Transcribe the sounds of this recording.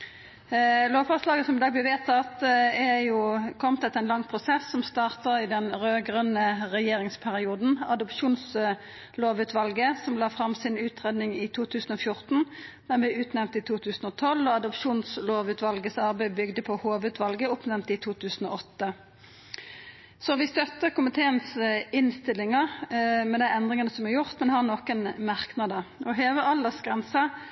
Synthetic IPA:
loːʋfɔʁslɑːɡəsɔmɪd̪ɑːɡblɛɪʋeːt̪ʰɑt̪ɛjuːkʰɔmt̪ɛt̪ɛnlɑŋːpʰʁʊsɛsːɔmst̪ɑːʁt̪əʁɪd̪ɛnʁøːɡʁœnəʁɛjeːʁɪŋspʰæʁɪuːd̪n̩ɑd̪ʊpʃuːns | loːʋʉːt̪ʰʋɑlɡəsɔmlɑːfʁɑmsɪnʉːt̪ʁeːd̪nɪŋɪt̪ʰuːt̪ʰʉːsn̩oːfjʊʁt̪n̩d̪̥æbɛʉːt̪nɛʋmnt̪ɪt̪ʰuːt̪ʰʉːsn̩ɔt̪ʰɔlːɔːɑd̪ʊpʃuːnsloːʋʉːt̪ʋɑlɡəsɑʁbæɪbʏɡd̪əpʰɔhoːʋʉːt̪ʰʋɑlɡəʊpnɛmnt̪ɪt̪ʰuːt̪ʰʉːsn̩ɔ̰ɔt̪ːə | sɔʋɪst̪œt̪ːəɾkʊmɪt̪ʰeːənsɪnst̪ɪlːɪŋɑmɛd̪æɛnd̪ʁɪŋɑnəsɔmæʁjʊʁt̪mɛnhɑʁnoːkənmɑʁknɑd̪əɔɦeːʋəɑld̪əsɡʁɛnsə

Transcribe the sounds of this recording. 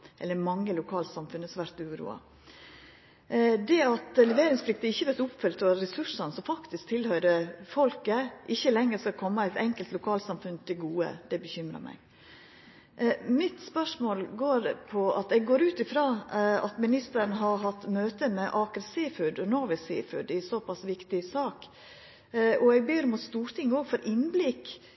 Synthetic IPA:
ʔɛ̰lːəɾmɑŋːəlʊkʰɑːlsɑmfʉnːəsɔʋæɾt̪ʉːɾṵːɑ̰ | d̪ɛɑt̪lɛʋeːɾɪŋsflɪk̚t̪əɪçːəʋɛɾt̪ʊpfœlt̪ʰɔɾɛsʉʂɑnəsɔmfɑkt̪ɪsk̚t̪ʰɪlhœʏɾəfɔlkəʔɪçːəlɛŋːəskɑkʰɔmːəæɪt̪ɛŋkəlt̪lʊkʰɑːlsɑmfʉnt̪ʰɪɡuːə̰d̪̥ɛbəçʏmɾə̰ɾmʔæ̰ɪ | mɪt̪spœʂmoːlɡoːɾpʰɔɑt̪ɛɡɡoːɾʉːt̪ɪfɾɑːɑt̪mɪnɪst̪əɾnəɦɑɾɦɑt̪ːmøːt̪əmɛʔɑːkəɾsiːfʉɖ̪ɔnɔʋəsɪ̰ːfʉ̰ɖ̪ɪsɔpɑsʋɪkt̪ɪsɑːk | ʔɔɛɡ̚beːɾɔmɔst̪uːɾt̪ʰɪŋːoːɡfɔɾʔɪnblɪk

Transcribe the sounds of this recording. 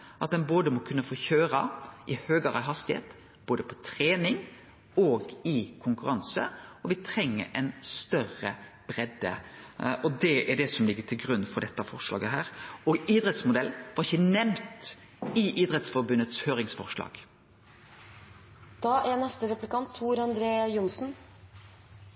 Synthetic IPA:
ʔɑt̪̚d̪ɛnboːd̪əmɔkʰʉnːəfɔçøːɾɑʔɪhøːɡəɾɑɦɑst̪ɪhḛːt̪ | b̥oːd̪əpʰɔ̥t̪ʰɾeːnɪŋ | ɔɡɪkʰʊŋkʉɾɑnsəɔʋɪt̪ʰɾɛŋːə̰ɾɛnst̪œrə | b̥ɾɛd̪ːə̰ʔɔd̪ɛʔæɖɛsɔmlɪɡːəʈʰɪlɡɾʉnːfɔɖɛt̪ːəɑfɔʁʂlɑ̰ːɡəɦæːɾɔɡiːd̪ɾɛt̪smʊd̪ɛlʋɑɾɪçːənɛmt̪ | ɪʔid̪ɾɛt̪sfɔɾbʉnːət̪shøːɾɪŋsfɔʁʂlɑ̰ːɡ̥ | d̪̥ɑːʔænɛst̪əɾɛplɪkʰɑnt̪ʰːuːɾɑnd̪ɾeːjʊmsn̩

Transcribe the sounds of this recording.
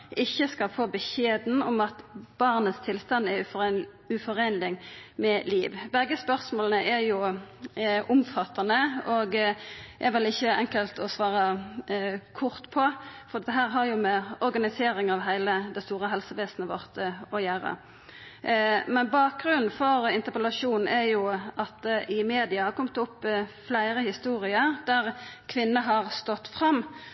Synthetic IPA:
ɪçːəskɑlfoːbəçeːd̪n̩ɔmɑt̪b̥ɑʁnəst̪ʰɪlst̪ɑnɛ | ʉfɔʁeːnlɪŋmɛliːʋbɛɡəspœʁsmoːlnəʔɛjʊ | ʔʊmfɑt̪ːɑnəoːɡʔɛʋɪlɪçːəʔɛŋkəlt̪ɔsʋɑːʁə | kʰʊʁt̪pʰɔfɔɾd̪ɛt̪əɦæːɾɦɑjʊmɛɔɾɡɑnɪseːɾɪŋɑʋɦæɪləd̪ɛst̪uːɾəɦɛlsəʋeːsnəʋɔʁt̪əɔjæːɾə̰ | mɛnbɑːk̚ɡɾʉnn̩fɔɾɪnt̪əpəlɑʂuːn̩æɾjʊɑt̪̚ʔɪmeːd̪ɪɑkʰɔmt̪ʊpːflæɪʁəhɪst̪uːʁɪəʁd̪æʁkʰʋɪnːəɦɑʁst̪ɔt̪ːfʁɑmː

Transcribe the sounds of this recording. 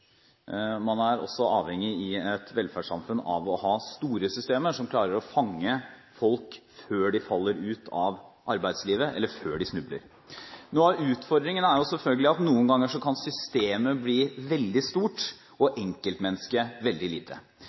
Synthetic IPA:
mɑnæɾɔ̰sːɔʔɑːʋhɛŋːɪɪɛt̪ʰʋɛlfæʂɑ̰mfʉnːɑ̰ʋɔhɑːst̪uːɾəsʏst̪eːməʂɔmkʰlɑːɾəɾɔfɑŋːə | fɔlkføːɖɪfɑlːəɾʉːt̪ʰɑʋʔɑɾbæɪd̪sliːʋəʔɛ̰lːəføːɖɪsnʉblə̰ɾ | nuːɑʋʉːt̪fɔɾd̪ɾɪŋənəæɾjʊsɛlfœlɡəlɪɑt̪nuːənɡɑŋːəʂɔkʰɑnsʏst̪eːməbliːʋɛld̪ɪst̪uːʈ | ɔʔɛŋkəlt̪mɛnːəskəʋɛld̪ɪliːt̪ʰə

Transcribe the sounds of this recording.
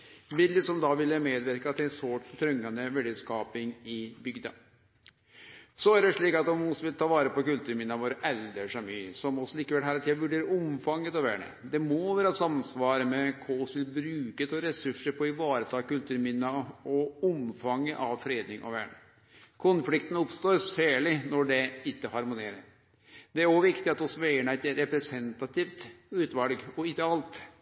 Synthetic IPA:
ʋɪlːəsɔmd̪ɑʋɪlːəmeːd̪ʋæɾkəɑt̪̚d̪ɛnsoːʈt̪ʰɾœŋːɑnd̪əʋɛɖəskɑːpɪŋɪbʏɡd̪ɑ̰ | sɔæɖɛʂɭiːkɑt̪ɔmɔsʋɪlt̪ʰɑːʋɑːɾəpɔkʉlt̪ʉːɾmɪnːɑʋoːɾəʔɛld̪əʂɑmyːsɔmɔsːɔliːkəʋɛlɦæːɾt̪ʰiʋʉɖeːɾəʊmfɑŋːət̪ɑʋæːɳə̰d̪ɛmɔʋæːɾəɑsɑmsʋɑːɾəmɛkʰoːsʋɪlbɾʉːkət̪ɔɾɛsʉʂːəɾpʰɔɪʋɑːɾət̪ʰɑːkʉlt̪ʰʉːɾmɪnːɑɔʊmfɑŋːəʔɑʋfɾeːd̪nɪŋʔɔ̰ʋæːɳə̰ | kʰʊnflɪkt̪ən̩ʊpst̪oːɾsæːɭɪnɔɖɛɪt̪ːəhɑɾmʊneːɾəɾ | d̪ɛæɾɔʋɪkt̪ɪɑt̪ɔsːɔʋɛɪəɳəæɪt̪ːəɾɛpɾɛsɛnt̪ɑt̪ift̪ʉːt̪ʋɑlɡɔɪd̪əɑlt̪

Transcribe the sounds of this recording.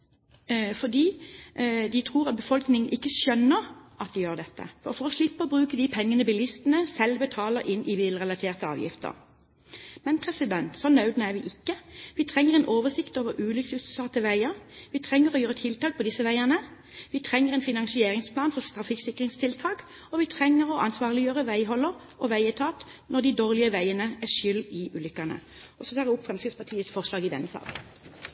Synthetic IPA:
fɔd̪iː | d̪ɪt̪ʰʁuːɾʁɑt̪̚bəfɔlknɪŋənʔɪkːəʃœnːəʁʔɑt̪̚d̪ɪjøːʁd̪ɛt̪ːə̰fɔfɔɾɔslɪpːəɔbɾʉːkəd̪ipʰɛŋːənəbɪlɪst̪ənəsɛlbət̪ʰɑːləɾʔɪnːʔɪʋilʁɛlɑt̪ʰeːʁt̪əɑ̰ːʋjɪ̰ft̪ə̰ʁ | mɛnpʰʁɛsɪd̪ɛnt̪sɔnːɑʉd̪nəæʁʋɪʔɪkːəʋɪt̪ʰʁɛŋːəʁɛnʔoːʋəsɪkt̪oːʋəɾʔʉːlʏksʉssɑt̪ːəʋæɪəɾʋiːt̪ʰʁɛŋːəʁɔjøːʁət̪ʰɪlt̪ʰɑːk̚pʰɔd̪ɪsəʋæɪænə | ʋiːt̪ʰʁɛŋːəʁɛːnfɪnɑŋsɪeːʁɪŋspʰlɑːnfɔst̪ʁɑfɪksɪkəʁɪŋst̪ʰɪlt̪ʰɑːk | ɔʋɪːt̪ʰʁɛŋːəʁɔʔɑnsʋɑːʁlɪjøːʁəʋæɪɦɔlːəʁ | ɔʋæɪət̪ʰɑːt̪nɔʁd̪ɪd̪oːʁlɪəʋæɪənəæʃʏlɪʉːlʏkːænə̰ | ɔsɔt̪ʰɑːʁəʊpːfʁɛmskəspʰɑt̪ʰiːət̪sfɔʁʂlɑːɡɪd̪ɛ̰nːəsɑ̰ːɡ̪n

